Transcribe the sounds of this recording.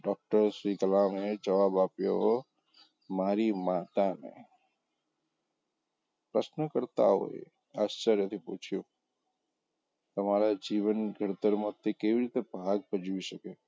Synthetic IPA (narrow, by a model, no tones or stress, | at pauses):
ɖɔːk̚ʈəɾsɾikəlaːmɦẽd͡ʒɐʋaːbaːpjoɦo | maːɾimaːt̪amḛ̃ | pɾəsnəkəɾt̪a̰ɦo̰ːḛ | aːst͡ʃəɾjət̪ʰipuːt͡ʃʰijo | t̪ɐmaːɾad͡ʒiːʋənɡʱəɾt̪əɾmot̪ːekebiɾit̪ebʱaːɡ̚pəd͡ʒuisəkeː